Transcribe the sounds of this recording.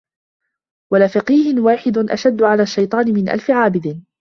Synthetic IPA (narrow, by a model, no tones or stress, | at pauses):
walaːfɑqiːhɪnwaːħɪd̪ʊnʔa̰ʃad̪ːʊʕalaːʃːɑjt̪ˤɑːnɪmɪnʔa̰lfɪʕaːbɪd̪ɪ